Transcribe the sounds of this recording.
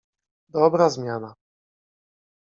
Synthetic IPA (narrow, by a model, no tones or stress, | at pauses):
d̪ɔbɾazmʲjana